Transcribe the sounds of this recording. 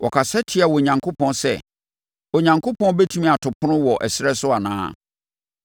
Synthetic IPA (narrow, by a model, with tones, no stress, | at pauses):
wʔɔ˨kʰa˨sɛ˦tʰɪ˦a˨wɔ˨ɲã˨ŋkʰʊ˦pʰɔ̃˦nsɛ̰˦ | ɔ˨ɲã˨ŋkʰʊ˦pʰɔ̃˦bɛ˦tʰũ˦mĩ˦˨a˨tʰʊ˨pʰʊ̃˦nʊ̃˦wɔ˨ʔɛ˨sɪ˦ɾɛ˦sʊ˦a˨nã̰ː˦